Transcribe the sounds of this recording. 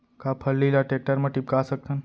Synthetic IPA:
kapʰəlːilaʈek̚ʈəɾməʈip̚kasək̚t̪ʰən

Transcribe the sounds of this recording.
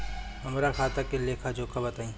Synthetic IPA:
ɦɐmɾaxʰaːt̪ɐkelekʰad͡ʒoːkabɐt̪aːĩː

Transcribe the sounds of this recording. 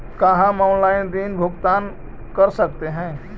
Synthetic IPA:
kaɦãmanlaɪnd̪inbʱuɡt̪an | kəɾsəkt̪eɦɛ̃

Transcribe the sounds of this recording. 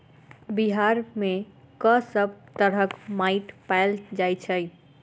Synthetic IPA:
biɦaɾme | kəsəb̚ʱt̪əɾəkmaiʈpajld͡ʒajt͡ʃʰəj

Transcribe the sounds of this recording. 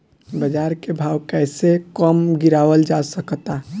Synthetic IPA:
bəd͡ʒaːɾkebʱaːwkɛːsekəmɡiɾawəld͡ʒasəkt̪a

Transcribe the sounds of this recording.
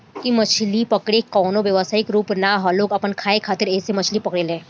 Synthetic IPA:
kimɐt͡ʃʰlipɐkɽekɔːnoʋjɐʋəsaːɪkɾuːpnaɦaloːkɐpənkʰaːekʰaːt̪ɪɾɛːsemɐt͡ʃʰlipɐkɽelẽː

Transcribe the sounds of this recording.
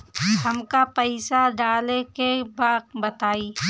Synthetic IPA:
hɐmkapəɪsaɖaːlekebaːqbɐt̪aːiː

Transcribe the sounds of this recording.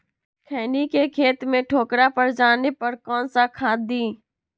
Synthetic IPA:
kʰɛːnikekʰeːt̪mẽʈʰoːkɾapɐɾd͡ʒaːnepɐɾkɔːnsakʰaːd̪iː

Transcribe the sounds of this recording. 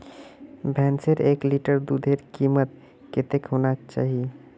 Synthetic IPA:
bʱɛnseɾekliʈəɾd̪ud̪ʱeɾkimət̪̚ | ket̪ekɦonakt͡ʃa̰ɦi

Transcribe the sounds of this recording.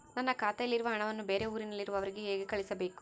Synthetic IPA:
nɐnːɐkaːt̪ɐjɐlːiɾuʋɐɦɐɳɐʋɐnːube̞ːɾe̞uːɾinɐlːiɾuʋɐʋɐɾiɡeɦeːɡekɐɭisɐbe̞ːku̥

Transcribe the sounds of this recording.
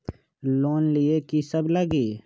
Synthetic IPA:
loːnliekisəbləɡiː

